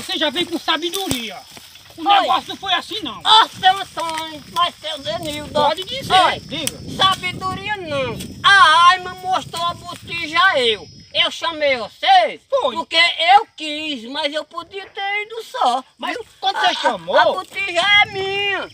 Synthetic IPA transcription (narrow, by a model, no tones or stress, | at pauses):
voseʒavẽj̃kõsabed̪oɾiɐ | ũnɛɡɔsunɐ̃fojasĩnɐ̃w̃asẽsõjmast̪ewzeniwd̪õpɔd̪id̪izelibusabed̪oɾiɐnɐ̃w̃aajmɐ̃moʃt̪oɐbot̪iʒɐewewʃɐmejvosesfojpoɾkeewkizmɐzewpod̪iɐt̪eɾid̪ʊsɔmɐzkɐ̃nd̪useʃɐ̃moabot̪iʒɐɛmĩɐ